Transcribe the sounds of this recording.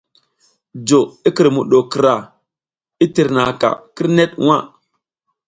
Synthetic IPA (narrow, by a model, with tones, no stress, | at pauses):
d͡ʒo˨i˦ki˨ɾmu˨ɗo˨ki˨ɾa˨ | i˦ti˨ɾna˨ka̰˨ki˦ɾne˦t̚wa˦˨